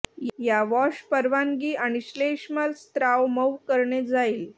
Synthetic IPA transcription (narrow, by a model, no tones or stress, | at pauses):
jaʋɔɕpəɾʋaŋɡiːʔaɽ̃iɕleʂmalst̪ɾaʋməwkəɾɳed͡zaiːl